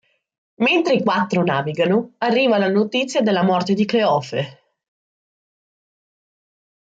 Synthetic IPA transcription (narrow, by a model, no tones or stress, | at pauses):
ment̪ɾeikwat̪ːɾonaːviɡanoarːiːvalanot̪it̪sːjad̪elːamɔrt̪ed̪ikleɔfe